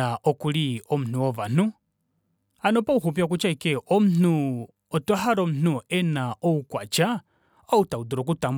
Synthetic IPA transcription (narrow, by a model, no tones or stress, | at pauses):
aʔokuliomun̥uoβan̥u | anopouxupjak̬ut͡ʃaikeomun̥u | otwaxaɾomun̥uenaoukwat͡ʃa | outaudiɾok̬utaːm